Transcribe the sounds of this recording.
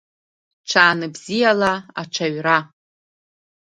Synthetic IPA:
ʈ͡ʂʰaːnɨbzijalaaʈ͡ʂʷʰaɥra

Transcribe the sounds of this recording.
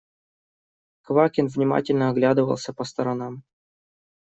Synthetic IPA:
kvakʲɪnvnʲɪma̰tʲɪlʲnəɐɡlʲad̪ɨvə̰lˠsʲəpəst̪ɐɾɐnam

